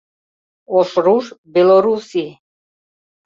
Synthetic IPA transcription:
ɔʃɾuʐbɛlɔɾusi

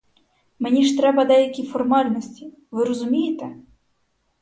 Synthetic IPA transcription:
menʲiʃt̪ɾɛbɐd̪ɛjɐkʲifɔrmɑlʲnɔsʲtʲi | ʋɪɾɔzʊmʲijet̪ɛ

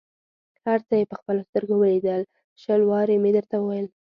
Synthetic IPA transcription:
haɾt͡səjepəxpəlast̪əɾɡowəled̪əl | ʃəlwɑɾemed̪əɾt̪awəwajəl

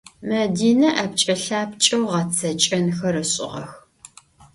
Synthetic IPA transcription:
mɐdiːnɐʔɐpt͡ʃʼɐɬaːpt͡ʃʼɐwʁɐt͡sʰɐt͡ʃʼɐnxɐɾɨɕʼɪ̰ʁɐ̰x

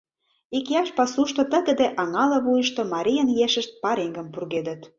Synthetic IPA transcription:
ikiɑʃpɑsuʃt̪ŏt̪ə̆ɣə̆d̪eʔɑŋɑlɤ̆βujə̆ʃt̪omɑɾʲijə̆njeʃə̆ʃt̪̚pɑɾeŋɡə̆mpurɣed̪ə̆t̪

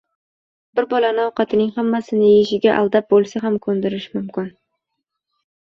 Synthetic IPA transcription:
bɪɾbɒlanɪɒqɑt̪ʰɪnɪŋhamːasɪnɪjeʃɪɡʲaʔa̰lˠd̪ap̚bolˠsaɦamkʰɵnd̪ɪɾɪʃmʊmkʲɪn

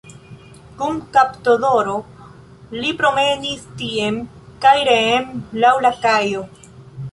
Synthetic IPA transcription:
kumkaptodo̞ɾo | lipɾo̞me̞nistiemkajɾeːmlawlakajo̞

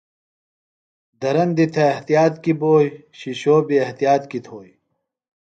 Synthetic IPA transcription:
d̪ɐɾɐnd̪it̪ʰɐɐht̪ijaːt̪kiboːjɕiɕoːbiɐht̪ijaːt̪kit̪ʰoːj

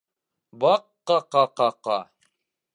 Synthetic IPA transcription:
bɑqːɑqɑqɑqɑ̰

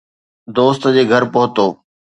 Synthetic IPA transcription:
d̪oːst̪d͡ʑeːɡʱɐɾpʊɦʊt̪oː

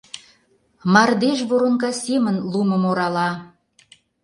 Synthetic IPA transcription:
mɑrd̪eʃβoɾoŋkɑsemə̆nlumə̆moɾɑlɑ

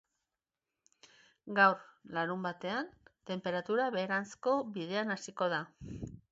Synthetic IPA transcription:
ɡawɾlaɾumbat̪e̞ant̪e̞mpe̞ɾat̪uɾaβe̞ːɾant͡sko̞βið̞e̞anasiko̞ð̞a

